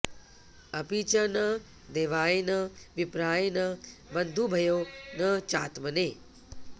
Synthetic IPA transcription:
ɐpit͡ʃənɐ | d̪eːʋaːenɐʋɪpɾaːjnɐbɐnd̪ʱubʱɐjoːnɐt͡ʃa̰ːt̪məneː

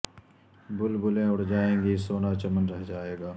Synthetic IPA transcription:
bʊlbʊlẽʊɽ̤d͡ʒaːẽːɡisoːnat͡ʃɐmənɾɛɦd͡ʒaːeːɡaː

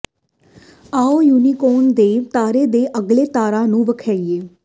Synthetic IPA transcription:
aːoːjuːniːkoːnd̪eːt̪aːɾeːd̪eːʔəɡleːt̪aːɾaːnũːʋəkʰɛieː

